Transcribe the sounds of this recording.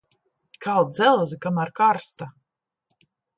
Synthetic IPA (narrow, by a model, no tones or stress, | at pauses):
kʰawˠd̪zɛlˠzikamaɾkaɾst̪a